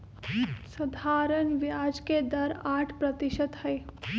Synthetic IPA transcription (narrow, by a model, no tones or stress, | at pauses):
sɐd̪ʱaːɾəɳʋjaːd͡ʒked̪ɐɾaːʈʰpɾət̪iʃət̪həe